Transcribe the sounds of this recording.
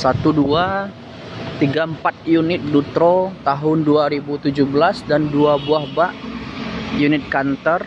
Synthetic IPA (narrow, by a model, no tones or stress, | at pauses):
sat̪udua | t̪iɡampat̪̚junɪt̪̚dut̪ɾot̪aɦʊnduaɾibut̪ud͡ʒuhbəlasdanduabuahbaʔ | junɪt̪̚kant̪ər